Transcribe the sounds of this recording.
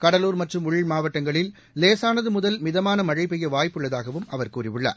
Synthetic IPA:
kɐɽɐluːɾmɐʈrɯmʊɻimaːʋɐʈːɐŋɡɐɭɪl | leːsaːnɐðɯmʊðɐlmɪðɐmaːnɐmɐɻɐɪpɛjːɐʋaːjpːɯɭːɐðaːɣɐʋɯmʔɐʋɐɾkuːriʋɯɭːɐ̰

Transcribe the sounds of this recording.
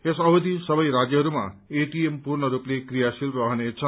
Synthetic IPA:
esʌɦud̪isʌbʌjɾad͡zjʌɦʌɾuma̰eʈiempuɾnʌɾuplekrijasilrʌɦnet͡sʰʌ

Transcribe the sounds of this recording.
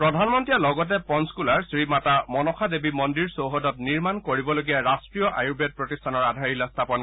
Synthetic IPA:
pɹɔdʱanmɔntijalɔɡɔt̬ɛpɔnskulaɹsɹimatamɔnɔkʰadebimɔndiɹsoɦɔdɔt̚niɹmankoɹibɔloɡijaɹastɹijɔʔa̰jubɛt̚pɹɔtistʰanɔɹadʱaɹilɔst̪ʰapɔn

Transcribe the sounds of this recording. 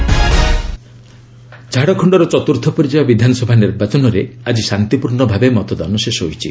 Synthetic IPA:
d͡ʒʱaɽɔkʰɔɳɖɔɾɔt͡ʃɔt̪uɾt̪ʰɔpɔɾid͡ʒababid̪ʱanɔsɔbʱaniɾbat͡ʃɔnɔɾead͡ʒisant̪ipuɾɳɔbʱabemɔt̪ɔd̪anɔsesɔɦojt͡ʃʰḭ

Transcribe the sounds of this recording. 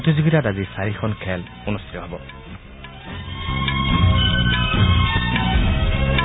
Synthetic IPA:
ɔt̪izuɡitadazisaɹikʰɔnkʰɛl | unust̪it̪ɔɦɛbɔ

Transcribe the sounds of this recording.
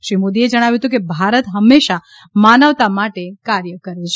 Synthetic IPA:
ʃɾimod̪ied͡ʒəɽ̃aʋjuɦət̪ũkebʱaɾət̪ɦəmːeʃa | manəʋt̪amaʈekaɾjəkəɾet͡ʃʰe

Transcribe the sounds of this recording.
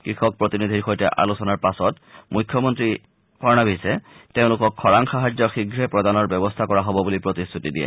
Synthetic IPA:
kɹixɔk̚pɹotinid̪ʱiɹxojtɛʔa̰lusɔnaɹpasɔt | mukʰːjɔmɔntɹi | pʰɔɹnabisɛteʊ̃lʊkɔkʰːɔɹaŋxaɦad͡ʑjɔxiɡʱɹɛpɹɔdanɔɹbɛbɔstʰakɔɹaɦɔbɔbulipɹotistʰutidiɛ̰

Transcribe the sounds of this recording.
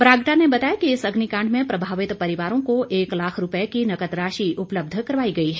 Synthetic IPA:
pɾaːɡʈanebɐt̪aːjakiɪsɐɡnikãːɳɖmẽpɾɐbʱaːʋɪt̪pɐɾɪʋaːɾõkoʔeːklaːkʰɾʊpəekinɐkət̪ɾaːʃiʊpləb̚d̪ʱkɐɾʋaːiɡɐiɦɛ

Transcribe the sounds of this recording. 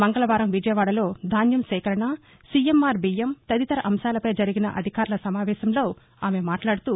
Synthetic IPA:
mɐŋɡɐlɐʋaːɾɐmʋid͡ʒɐjɐʋaːɽɐlo̞ːd̪ʱaːnjɐmsɛːkɐɾɐɳa | siemːaːɾbijemt̪ɐd̪it̪ɐɾɐʔɐmʃaːlɐpɐjd͡ʒɐɾiɡinɐ̰ʔɐ̰d̪ʱikaːɾlɐsɐmaːʋɛːʃɐmlo̞ː | aːme̞maːʈlaːɽut̪uː

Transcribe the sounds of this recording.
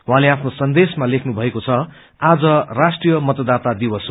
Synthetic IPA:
uɦãleapʰnosʌnd̪esmalekʰnubʱʌekot͡sʰʌ | ad͡zʌrasʈrijʌmʌt̪ʌd̪at̪ad̪ibʌs

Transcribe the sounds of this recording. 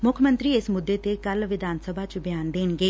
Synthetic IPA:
mʊkʰjəmə̃nt̪ɾiːɪsmʊd̪ːet̪ekəlʋɪd̪ʱaːnsəbʱat͡ʃbɪjaːnd̪eːnɡeː

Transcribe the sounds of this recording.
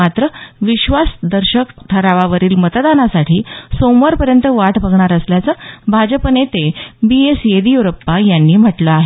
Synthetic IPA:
at̪ɾəʋiɕʋasd̪əɾɕəkʈʰəɾaʋaʋəɾiːlmət̪d̪anasaʈʰiːsomʋəɾpəɾjənt̪əʋaʈbʱəɡɳaɾəsljat͡səːbʱad͡ʑəpənet̪ebiesjed̪ijuɾəpːajanːiːm̤əʈləaɦe

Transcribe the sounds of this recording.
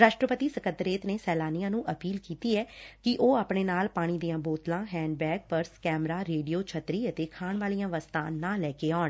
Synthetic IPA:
ɾaːʃʈɾəpət̪iːsəkənd̪ɾeːt̪neːsɛːlaːnijãːnũːʔəpiːlkiːt̪iːɛːkɪʔoːaːpɳeːnaːlpaːɽ̃iːd̪iːãːboːt̪lãːɦɛ̃ːɳɖbɛːɡ̚pəɾskɛːmɾaːɾeːɖijoːt͡ʃʰət̪ɾiːət̪eːkʰaːɳʋaːlijãːʋəst̪ãːnaːlɛːkeːaːɳ

